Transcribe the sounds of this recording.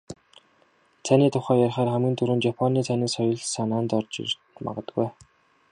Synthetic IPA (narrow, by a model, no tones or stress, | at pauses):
t̪ʰaniːt̪ʰʊχæːjarχaæːrχæmɡɘ̆nt̪ʰuɾŭːnt͡ɕjapʰɔniːt͡s̪ʰaniːsɔjɞ̆ɮsanaːnt̪ɔrt͡ɕḭr | ma̰ʁə̆t̪əɡuj